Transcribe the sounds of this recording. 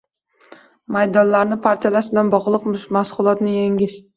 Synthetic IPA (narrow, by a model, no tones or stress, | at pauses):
majd̪ɒnlaɾnɪpʰaɾt̪ʰijalaʃbɪlanbɒʁlˠɨqmmasqʊlˠɒt̪nɪjeŋʲɪʃ